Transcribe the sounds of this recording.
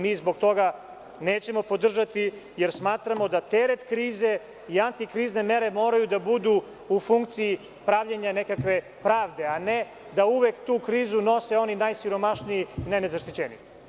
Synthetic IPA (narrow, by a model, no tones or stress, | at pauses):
miːzbo̞ɡt̪o̞ɡa | neːt͡ɕe̞mo̞po̞d̪r̩ʒat̪ijeɾsmaːt̪ɾamo̞d̪at̪eɾet̪kɾiːze̞ | iant̪ikɾiːzne̞me̞ɾe̞mo̞ːɾajud̪abud̪u | ufuŋkt̪siji | pɾaʋʎaɲanekakʋe̞ | pɾaːʋd̪e̞ane | d̪auʋekt̪uːkɾiːzuno̞se̞o̞ninajsiɾo̞maʃnijiinajnezaʃt̪it͡ɕenḭji